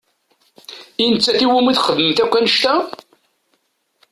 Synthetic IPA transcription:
inət͡sːæθiwumiθχəðməmθækʷːænəʃt̪æ

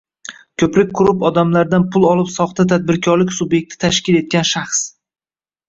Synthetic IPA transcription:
kʲʰɵpɾɪk̚ʲqʰʊɾɪpɒd̪amlaɾd̪anpʰʊlˠɒlˠɪpsɒχt̪ʰat̪ʰad̪̚bɪɾkʲʰɒɾlɪkʲsʊbje̞k̚ʲt̪ʰɪ̥t̪ʰaʃkʲɪle̞t̪̚kʲanʃaχs

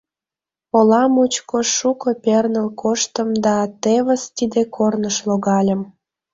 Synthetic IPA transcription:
olɑmut͡ɕkoʃukəpernəlkʰoʃt̪əmd̪ɑt̪eβəst̪id̪ekʰornəʃloɣɑlʲə̆m

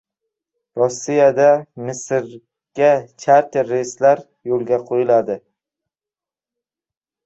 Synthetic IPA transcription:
ɾɒsːijad̪amɪsɾ | ɡ̥ʲat͡ʃʰaɾt̪ʰeɾːejslaɾ | jolˠɡʲaqʰojɪlad̪ɪ

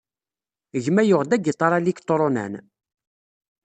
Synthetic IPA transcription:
əʝmæjʊʁd̪æɡit̪ˤːɑɾˤɑlikt̪ˤːoɾonæ̰n

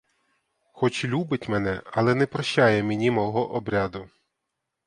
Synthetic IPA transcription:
xɔt͡ʃlʲubɪtʲmɛn̪ɛɐlˠɛnɛpɾɔʃajɛmʲenʲimɔɦɔʔɔbɾʲad̪ʊ

